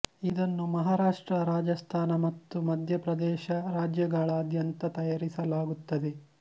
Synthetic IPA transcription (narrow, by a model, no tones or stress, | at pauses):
id̪ɐnːumɐɦaːɾaːʂʈɾɐɾaːd͡ʒɐst̪ʰaːnɐmɐt̪ːumɐd̪ʱjɐpɾɐd̪ɛːʃɐɾaːd͡ʒjɐɡaːɭɐːd̪jɐnt̪ɐt̪ɐjaːɾisɐlaːɡut̪ːɐd̪e̞